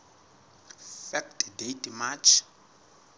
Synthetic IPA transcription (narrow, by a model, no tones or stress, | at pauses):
fɛktʰʼdetʼmat͡ʃʰ